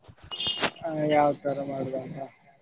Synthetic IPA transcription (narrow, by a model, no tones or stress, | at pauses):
jaːʋt̪ɐɾɐmaːɽud̪akɐ